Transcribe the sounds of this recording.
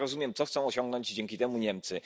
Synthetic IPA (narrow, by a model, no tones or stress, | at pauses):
ɾɔzumʲjɛmt̪sɔxt̪sɔ̃w̃ɔɕɔ̃ŋɡ̚nɔɲd͡ʑd͡ʑɛŋʲkʲit̪ɛmuɲɛmt̪sɘ